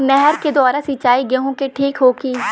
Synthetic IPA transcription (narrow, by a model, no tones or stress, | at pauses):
nɛɦɛɾked̪ɔːɾasɪt͡ʃaːiɡɐɦõkeʈʰiːkɦoːɡiː